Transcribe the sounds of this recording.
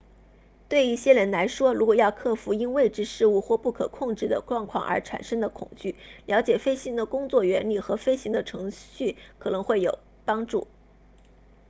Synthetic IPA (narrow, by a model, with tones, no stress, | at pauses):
t̪we˥˧ɪi˥˩ɕjɛ˥ɻə˧˥nla˧˥ɪʂwɔ˥ɻu˧˥kwɔ˨˩jɑ˥˧ʊkʰɤ˥˩fu˧˥i˥nwe˥˧ɪʈ͡ʂɻ̩˥˧ʂɻ̩˥˧u˥˧xwɔ˥˧pu˥˩kʰɤ̰˨˩kʰʊ˥˧ŋʈ͡ʂɻ̩˥˩d̪ə̰˩ʈ͡ʂwɑ˥˧ŋkʰwɑ˥˩ŋʔə̰˞˧˥ʈ͡ʂʰa̰˨˩nʂɤ˥ŋd̪ə˨kʰʊ̰˨˩ŋt͡ɕy˥˩ljɑ˧˥ʊt͡ɕjɛ˨˩fe˥ɪɕi˧˥ŋd̪ə˧˨kʊ˥ŋt͡swɔ˥˩ɥɛ˧˥nli˥˩xɤ˧˥fe˥ɪɕi˧˥ŋd̪ə˧ʈ͡ʂʰɤ˧˥ŋɕy˥˩kʰɤ˨˩nɤ˧˥ŋxwe˥˩ɪjo˨˩ʊ | pɑ˥ŋʈ͡ʂṵ˥˩